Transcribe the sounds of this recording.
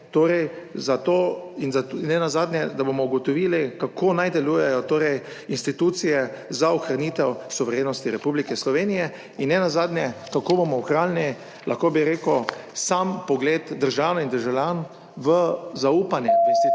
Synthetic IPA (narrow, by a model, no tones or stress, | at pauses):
t̪oːɾɛj | zat̪oinzanɛnazaːd̪nʲjɛd̪abomɔuɡɔt̪ɔʋiːlikakʰoːnajd̪ɛluːjɛjɔt̪oːɾɛj | inst̪it̪ut̪sijɛzauxɾaniːt̪ɛwsuʋɛɾjeːnɔst̪iɾɛpublikɛslɔʋeːnijɛ | inːɛnazaːd̪njɛkakoːbomɔuxɾalni | lʔaxkoːbiɾeːkɔsampɔɡleːt̪d̪əɾʒawnaind̪əɾʒawlʲjan | ʋəzauːpanjɛinst̪i